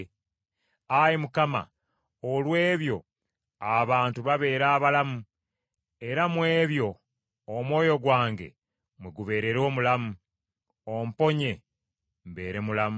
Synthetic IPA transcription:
ajimukama̰ | olwe̞ːβjo̞ | aβaːntuβaβe̞ːɾaːβalamu | e̞ɾamwe̞ːβjo̞ː | mwo̞ːjo̞ɡwaːŋɡe̞̰ | mwiɡuβe̞ːɾe̞ɾo̞ːmulamu | om̩po̞ɲe̞ | mβe̞ːɾe̞mulamu

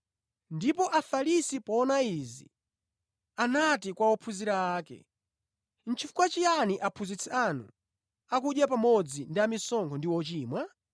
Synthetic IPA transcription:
ndipɔʔafalisipɔːnaizḭ | anatikwawɔpʰuziɾaaːkɛ̰ | n̩t͡ʃifu̥kwat͡ʃianiʔapʰuzit͡sʰɛanṵ | ak̬uɗjapamɔd͡zindiamisɔŋkʰɔndiwɔt͡ʃiːmwa

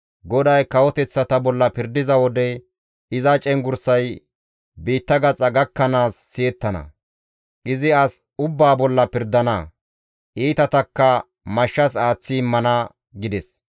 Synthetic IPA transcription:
ɡɔd̪ɐjkɐwɔt̪ɛt͡sːɐt̪ɐbɔlːɐpɪɾd̪ɪzɐwɔd̪ɛ | ɪzɐt͡ʃʼɛŋɡʊɾsɐj | biːt̪ːɐɡɐt͡sʼɐɡɐkːɐnaːsːeːt̪ːɐnɐ̰ | ʔɪzɪɐs | ʊbːaːbɔlːɐpɪɾd̪ɐnɐ | ʔiːt̪ɐt̪ɐkːɐ | mɐʃːɐs̬aːt͡sːɪmːɐnɐ | ɡɪd̪ɛs

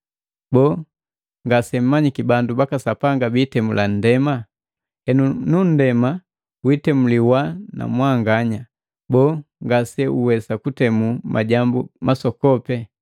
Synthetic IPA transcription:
bɔː | ŋɡasɛm̩maɲikibandubakasapaŋɡabitɛmulan̩dɛma | ɛnunun̩dɛma | witɛmuliwana̰mwaŋɡaɲa | bɔːŋɡasɛuwɛsakutɛmuma̰ɟambumʔasɔkɔpɛ

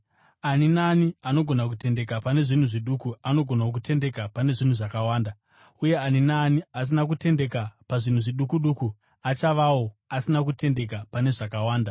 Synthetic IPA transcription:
aninaːniano̞ɡʱo̞nak̬ute̞nde̞kapane̞ʐin̤uʐiɗukuano̞ɡʱonaok̬ute̞nde̞kapane̞ʐin̤uʐakawaːnda | uje̞aninaːnias̬inak̬ute̞nde̞kapaʐin̤uʐiɗukuɗuku | at͡ʃaʋawo̞asinak̬ute̞nde̞k̬apane̞ʐakawaːnda

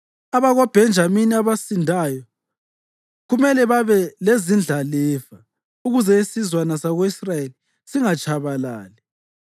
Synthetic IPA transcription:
aβaɣɔb̥ʱɛnd͡ʒʱaminiaβasindʱajɔ | ɣumɛlɛβaβɛlezind͡ɮʱalɛːva | uɣuzɛisizwanasaɣoisrajeli | siŋat͡ʃʼʰaβala̰ːlɛ

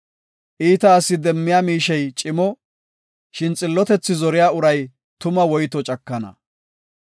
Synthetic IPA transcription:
ʔiːt̪ɐːsːɪd̪ɛmːɪjaːmiːʃɛjt͡ʃʼɪmɔ | ʃɪnt͡sʼɪlːɔt̪ɛt͡sːɪzɔɾɪjaːʊɾɐj | t̪ʊmɐwɔjt̪ɔt͡ʃʼɐkːɐnɐ̰

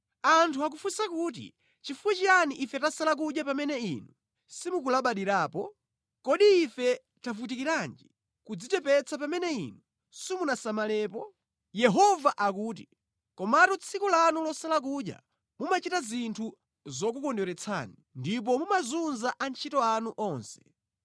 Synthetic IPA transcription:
antʰuak̬ufusakuːt̬ḭ | t͡ʃifuwɛt͡ʃianiʔifɛtasalak̬uɗjapamɛnɛḭnu | simuk̬ulaɓaɗiɾaːpɔ | kɔɗiːfɛ | tavutikiɾand͡ʒi | kud͡zitɛpɛt͡sap̬amɛnɛḭnu | simunasamalɛːpɔ | jɛɦɔvaʔakuːt̬i | kɔmatɔt͡sʰikulanulɔsalak̬uʄja̰ | mumat͡ʃitazintʰu | zɔk̬ukɔndɔɾɛt͡sʰa̰ːnindip̬ɔmumazunzaʔant͡ʃʰitɔanuʔɔnsɛ̥

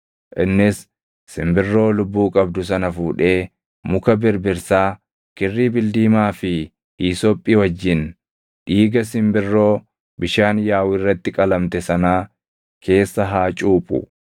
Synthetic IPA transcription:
ʔɪnːɪsː | ɪmbɪrːo̞ːlʊbːuːkʼɐbd̪ʊsɐnɐfuːᶑe̞ː | mʊkɐbɪɾbɪɾsaː | kɪrːiːbɪld̪iːmaːfɪ | ʔiːsɔpʼːiːwɐd͡ʒːɪn | ᶑiːɡɐsɪmbɪrːo̞ː | bɪʃaːnjaːwɪrːɐt̪ːɪkʼɐlɐmt̪ɛsɐnaː | kʰe̞ːsːɐɦaːt͡ʃʼuːpʼʊ̰

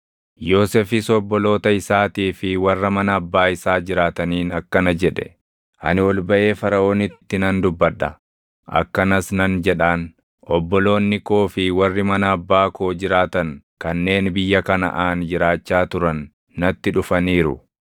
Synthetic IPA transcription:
jo̞ːsɛfɪsɔbːɔlo̞ːt̪ɐɪsaːt̪iːfɪwɐrːɐmɐnɐːbːaːɪsaːd͡ʒɪɾaːt̪ɐniːnɐkːɐnɐd͡ʒɛᶑɛ̥̰ | ʔɐ̰nɪɔlbɐʔe̞ːfɐɾɐo̞ːnɪt̪t̪ːɪnɐnd̪ʊbːɐᶑːɐ̰ | ɐ̰kːɐnɐsnɐnd͡ʒɛᶑaːn | ʔɔbːɔlo̞ːnːɪkoːfɪwɐrːɪmɐnɐːbːaːko̞ːd͡ʒɪɾaːt̪ɐn | kɐnːe̞ːnbɪjːɐkɐnɐ̰ʔaːnd͡ʒɪɾaːt͡ʃːaːt̪ʊɾɐnː | ɐt̪ːɪᶑʊfɐniːɾʊ̰

